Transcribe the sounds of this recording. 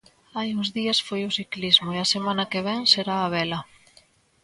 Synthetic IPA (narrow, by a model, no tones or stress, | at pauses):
ajuŋzðiɐsfojʊsiklizmʊeɐsemãnɐkeβ̞ɛŋseɾaːβ̞ɛlɐ